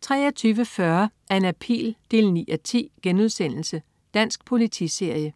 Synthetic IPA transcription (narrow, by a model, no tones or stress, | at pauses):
t͡sʰʁɛ̰ːɐt͡sʰyːʋəfɶɐ | æɐe̝næpʰḭːld̥e̝ːlnḭːæt͡sʰḭːɡ̥enuð̞ˠsen̰l̩sə | d̥æn̰sɡ̥pʰo̝lit͡sʰḭse̝ɐ̰jə